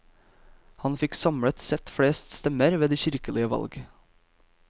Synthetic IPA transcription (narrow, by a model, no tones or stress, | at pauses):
hɑnfɪksɑmɽət̪sɛt̪fɽeːst̪st̪ɛməɾʋeːd̪iːçɪɾkəlɪəʋɑ̰lɡ